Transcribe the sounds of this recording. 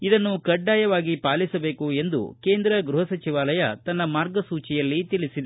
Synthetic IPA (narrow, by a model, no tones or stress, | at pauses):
id̪ɐnːukɐɖːaːjɐʋaːɡipaːlisɐbe̞ːkue̞nd̪ṵke̞ːnd̪ɾɐɡɾuɦɐsɐt͡ʃiʋaːlɐjɐt̪ɐnːɐmaːɾɡɐsuːt͡ʃijɐlːit̪ilisid̪ɐ